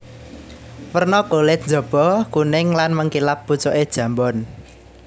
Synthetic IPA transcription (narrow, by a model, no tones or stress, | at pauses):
wərnɔɡ̥olɪt̪̚nd͡ʒɔ̤b̥ɔ̤kunɪŋlanməŋkilap̚but͡ʃɔʔed̥ʒ̥ä̤mbɔn